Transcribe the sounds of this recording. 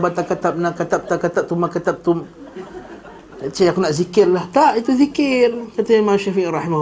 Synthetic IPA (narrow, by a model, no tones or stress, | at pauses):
bat̪akat̪ap̚nakat̪ap̚t̪akat̪ap̚t̪umakat̪ap̚t̪ʊm | at͡ʃiakunaʔzikɪrlaht̪aʔit̪uzikɪrkat̪əimaʃafiʔiɾɑħimaɦ